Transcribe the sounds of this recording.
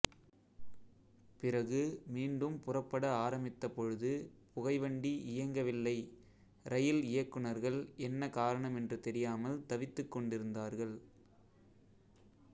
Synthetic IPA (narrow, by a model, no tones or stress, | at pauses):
pɪrɐɣɯmiːɳɖɯmpʊrɐpːɐɽɐaːɾɐmɪt̪ːɐpːɔɻɯðɯpʊɣɐɪʋɐɳɖiʔɪjɐŋɡɐʋɪlːɐɪ | ɾɐjɪlɪjɐkːɯɳɐɾɣɐɭɛnːɐkaːɾɐɳɐmɛndrɯt̪ɛɾɪjaːmɐlt̪ɐʋɪt̪ːɯkːɔɳɖɪɾɯnd̪aːɾɣɐɭ